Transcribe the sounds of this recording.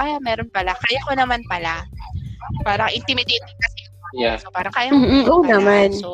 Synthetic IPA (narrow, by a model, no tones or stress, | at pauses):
aːjamɛːɾonpɐlakajakonɐmanpɐla | paːɾɐŋʔɪnt̪ɪmɪd̪ɛt̪ɪkɐsi | osopaːɾɐŋkaːjaʔonɐman